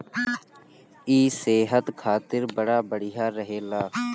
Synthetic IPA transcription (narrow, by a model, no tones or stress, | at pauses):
iːseːɦət̪kʰaːt̪ɪɾbəɽaːbəɽɪjaːɾəɦeːlaː